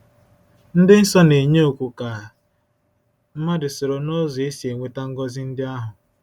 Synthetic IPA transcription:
n̩˦dɪ˦n̩˦sɔ˦ne˨ɲe˦u˨kʷu˨ka˨ | m̩˦ma˦dɪ˨so˨ɾo˨no˦zɔ˨e˦si˨e˨ŋʷe˦ta˦ŋ̩˦ɡɔ˦zi˦n̩˦dɪ˦a˦ɦʊ˨

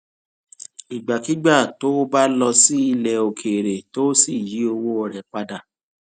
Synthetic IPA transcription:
i˨ɡ͡ba˨ki˦ɡ͡ba˦˨to˦ba˦lɔ˧si˦i˧lɛ˨o˨kʰe˨ɾe˨to˦si˦˨ji˨˦o˧wo˦ɔ˨ɾɛ˨k͡pa˧da˨

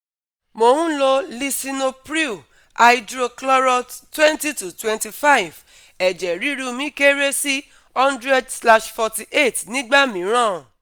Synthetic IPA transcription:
mo˧hũ˦lo˧li˧sĩ˧no˧pɾi˦˨ | a˧idɾo˧klɔ˦ɾɔ˧ttwɛ̃˦nti˦tu˨twɛ̃˧nti˧fa˦i˨v | ɛ˨d͡ʒɛ˨ɾi˨˦ɾu˦˧mĩ˦ke˦ɾe˦si˦ | ɔ̃˦ndɾɛ˦dsla˧ʃfɔ˧ti˨ʔe˦˨tnĩ˦ɡ͡ba˦mĩ˨˦ɾ̃ã˦˨ũ˨

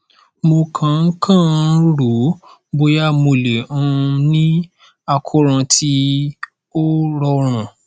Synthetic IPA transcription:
mo˧kʰã˧˨ŋ̩˦kʰã˦˨˦ɾu˨˦ | bo˧ja˦mo˧le˨ũ˦˧nĩ˦ | a˧kʰo˦ɾ̃ã˧tʰi˦ | o˦ɾɔ˦ɾ̃ũ˨

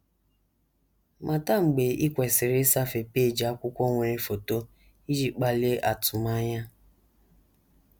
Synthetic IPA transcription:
mʔa˨ta˦ŋ͡m̩˨ɡ͡be˨i˦kʷɛ˨si˨ɾe˦sa˦fe˨pe˦˨d͡ʒa˨˦kʷʊ˦kʷɔ˦ŋʷe˨ɾe˦fo˨to˦ | i˦d͡ʒi˦k͡pa˨le˦ʔa˨tʊ˨ma˦ɲa˦

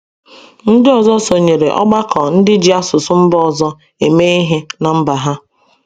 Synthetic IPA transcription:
n̩˦dɪ˦ɔ˨zɔ˦so˨ɲe˨ɾe˨ʔɔ̰˦ɡ͡ba˦kɔ˨n̩˦dɪ˦d͡ʒi˦a˦sʊ˨sʊ˦m̩˦bɔ˦˨zɔ˦ | e˨me˦i˦ɦe˦na˨m̩˦ba˨ɦa˦

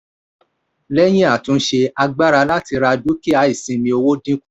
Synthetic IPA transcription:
lɛ˦j̃ĩ˦a˦˨tũ˨˦ʃe˧a˧ɡ͡ba˦ɾa˧la˦ti˧ɾa˧du˦ki˦a˧˦i˦˨sĩ˧mĩ˧˦o˧wo˦dĩ˦ku˦

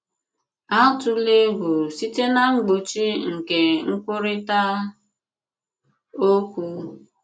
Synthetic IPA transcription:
a˦tʊ˦le˦ɦʊ˨si˦te˦na˦ŋ͡m̩˦ɡ͡bo˨t͡ʃi˦ŋ̩˨ke˨ŋ̩˦kʷʊ˦ɾɪ˦ta˦ | o˦kʷu˦˨

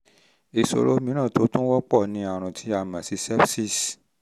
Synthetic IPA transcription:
e˧so̰˧ɾo˦mĩ˧˦ɾ̃ã˦˨to˨˦tũ˦wɔ˦k͡pɔ˦˨nĩ˨˦a˨˧ɾ̃ũ˨tʰi˨˦a˧˨mã˨si˨˧˦sɛ˦bsi˦˨s

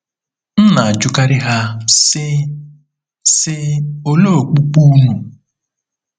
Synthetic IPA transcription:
n̩˦na˨a˨d͡ʒʊ˦ka˦ɾɪ˦ɦa˦ | sɪ˦o˦lo˦˨o˨k͡pu˦k͡pu˦nu˨

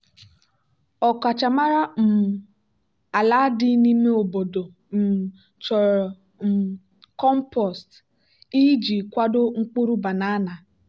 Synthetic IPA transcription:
ɔ˨ka˨t͡ʃa˨ma˦ɾa˦m̩˨ | a˨la˦dɪ˦ni˦me˦o˨bo˨do˨ | m̩˨ | t͡ʃɔ˨ɾɔ˨ | m̩˨ | kɔ˦m˦pɔ˨st | i˦d͡ʒi˨kʷa˦do˦ŋ̩˦k͡pu˦ɾu˦ba˨na˦na˨

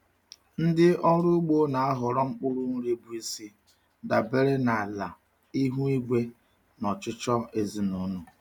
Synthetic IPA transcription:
n̩˦dɪ˦ɔ˦ɾʊ˦ɡ͡bo˦na˨a˦ɦʊ˨ɾɔ˦ŋ͡m̩˦k͡pʊ˦ɾʊ˦n̩˦ɾe˦bu˦e˦si˦ | da˨be˦ɾe˦na˨la˨ | i˦ɦu˦i˦ɡʷe˦ | nɔ˨t͡ʃʊ˦t͡ʃɔ˦e˨zi˨nu˨nu˨

